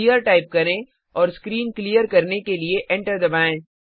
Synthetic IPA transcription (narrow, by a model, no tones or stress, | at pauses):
ijəɾʈaːɪp̚kɐɾẽ | ɔːɾskɾiːnklijəɾkɐɾnekelieʔɛ̃ɳʈəɾd̪ɐbaːẽ